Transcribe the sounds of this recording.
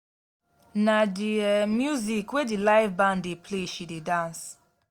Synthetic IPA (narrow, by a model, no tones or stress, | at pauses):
nadimjuzikwedilaɪfbãndepʰleʃidedãns